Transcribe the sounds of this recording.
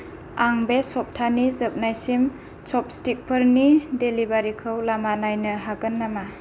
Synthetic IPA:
aŋbesɔp̚tʰanizəp̚najsim | sɔp̚stik̚pʰəɾnidelibaɾikʰɯwlamanajnɯɦaɡɯnːama

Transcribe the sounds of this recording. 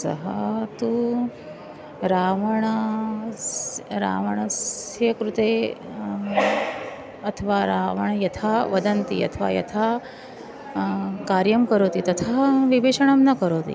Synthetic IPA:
sɐ̰ɦət̪u | ɾaʋəɳ̃ | ɾa̰ʋəɳ̃ɐsɐkɾut̪e | ɐt̪ʰəʋaɾaːʋɐɳ̃jɐt̪ʰaʋɐd̪ɐnt̪ḭɐ̰t̪ʰəʋa̰jɐ̰t̪ʰa | kaɾjɐmkəɾoːt̪it̪ɐt̪ʰaʋibeʂəɳ̃amnakəɾot̪ḭː

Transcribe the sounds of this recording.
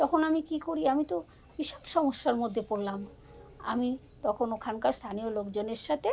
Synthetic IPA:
t̪ɔkʰonamikikoɾiamit̪o | biʃɔ̥bʃɔmoʃːaɾmod̪ʱːepolːam | a̰mi | t̪ɔkʰonokʰankaɾst̪ʰaniolokd͡ʑoneɾʃat̪ʰe

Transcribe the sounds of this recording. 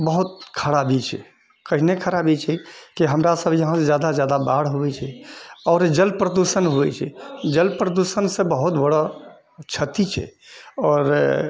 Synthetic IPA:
bəɦut̪̚kʰəɽabʱit͡ʃʰɛ̰ | kəɦinekʰəɾabit͡ʃʰɛkiɦəmɾasəbʱjəɦãed͡ʒjad̪ad͡ʒjad̪abaɽɦoɛt͡ʃʰɛɔːɾd͡ʒəlpɾəd̪usənɦuɛ̰t͡ʃʰɛ̰d͡ʒəlpɾəd̪usənsẽbəɦut̪bəɽɔ | t͡ʃʰət̪it͡ʃʰɛ̰ɔːɾ

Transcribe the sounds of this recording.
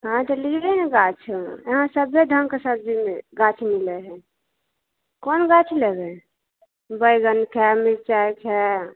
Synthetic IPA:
ɦãt̪əlibɛneɡat͡ʃʰeɦãsəbːed̪ʱəŋkesəb̚d͡ʒimeɡat͡ʃʰmilɛɦɛ | konɡat͡ʃʰlebɛ | bəjɡənkʰɛmiɾt͡ʃajkʰɛ

